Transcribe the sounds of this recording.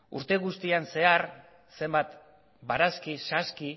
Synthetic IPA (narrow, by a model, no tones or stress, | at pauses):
ṵɾt̪e̞ɣust̪ianse̞aɾ | se̞mbat̪ | baɾaskisaski